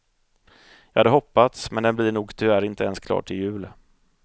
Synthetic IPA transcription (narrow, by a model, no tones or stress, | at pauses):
jɑːhad̪əɦɔpːat̪smɛnd̪ɛnblɪɳuːɡt̪ʰʏvæɾɪnt̪əɛnskʰlɑ̰ːʈʰɪljʉ̟ːl